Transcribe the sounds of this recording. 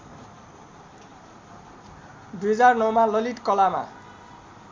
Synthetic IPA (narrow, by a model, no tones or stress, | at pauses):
d̪ujɦʌd͡zarnʌwmalʌliʈkʌlama̰